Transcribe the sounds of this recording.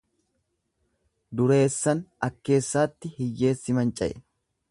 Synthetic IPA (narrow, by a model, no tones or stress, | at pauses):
d̪ʊɾe̞ːsːɐnɐkːe̞ːsːaːt̪ːɪhɪjːe̞ːsːɪmɐnt͡ʃʼɐ̰ʔɛ̰